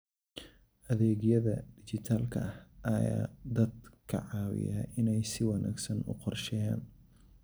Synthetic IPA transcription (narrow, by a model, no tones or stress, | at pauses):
ʔɐðɛːɣjɐðɐd̪̥ɪt͡ʃɪt̪ʰaːlkʰɐɐhʔɐja̰ːd̪ɐd̪̚kʰɐ̰ʕɑːwɪ̰ja̰ʔɪnɛjsɪwɑnʔa̰ːɡsɐnʊ̰qɔrʃɛja̰ːn